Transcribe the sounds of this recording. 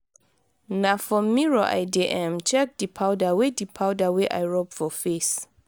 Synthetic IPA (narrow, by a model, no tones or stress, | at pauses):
nafɔmːiɹoʔa̰jdiʔɛ̃mt͡ʃʰɛk̚d̥ipʰawdawedipʰawdawɛʔa̰jɹɔpfɔfes